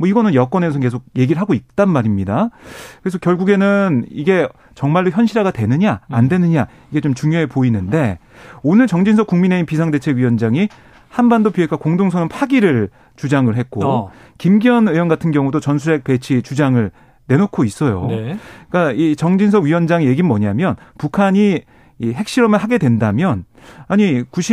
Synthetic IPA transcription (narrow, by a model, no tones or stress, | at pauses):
mwʌiɡʌnɯnjʌk͈wʌnesʰʌke̞sʰoɡ̚je̞ɡiɾɯɭɦaɡoik̚t͈anmaɾimɲidakɯɾes̬ʰʌkjʌɭɡuɡe̞nɯniɡe̞ | t͡ɕʌŋmaɭːdoçjʌnɕʰiɾɦaɡatwe̞nɯɲaːndwe̞nɯɲa | iɡe̞t͡ɕomt͡ɕuŋjoɦe̞poinɯnde̞ | onɯɭt͡ɕʌŋd͡ʑinsʰʌkuŋmine̞inpis̬ʰaŋde̞t͡ɕʰe̞ɡɥiwʌnd͡ʑaŋi | hanbandopiekʰakoŋdoŋsʰʌnɯnpʰaɡiɾɯɭ | t͡ɕud͡ʑaŋɯɭɦe̞t̚k̚k͈o | kimɡiʌnɯjʌnɡatʰɯnɡjʌŋudot͡ɕʌnsʰue̞k̚pe̞t͡ɕʰit͡ɕud͡ʑaŋɯɭ | ne̞nokʰois͈ʌjo̰k͈ait͡ɕʌŋd͡ʑinsʰʌɥiwʌnd͡ʑaŋije̞ɡinmʌɲamjʌnpukʰaɲiː | ɦe̞k̚ɕ͈iɾʌmɯɭhaɡe̞dwe̞ndamjʌn | aɲikuɕʰi